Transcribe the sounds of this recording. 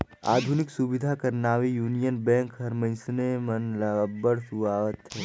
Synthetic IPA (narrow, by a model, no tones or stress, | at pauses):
a̰ːd̪ʱunɪksubɪd̪ʱakɐɾnaːʋijuːnijənbɛ̃ːŋkɦɐɾmɐ̃ɪ̃snemɐnlɐəbəɽsuʋaːʋət̪ɦɛː